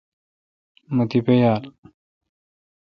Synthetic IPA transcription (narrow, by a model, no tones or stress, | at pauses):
mət̪ipejaːl